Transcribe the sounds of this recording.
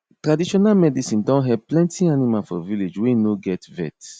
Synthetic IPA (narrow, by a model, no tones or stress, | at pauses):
tɾadiʃɔnamɛdisĩndɔ̃nɦɛvplɛ̃ntĩanimafɔviled͡ʒweinoɡɛtvɛ̰t